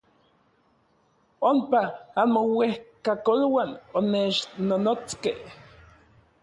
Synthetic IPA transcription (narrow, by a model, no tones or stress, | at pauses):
ompaanmowehkakolwanonet͡ʃnonot͡skeh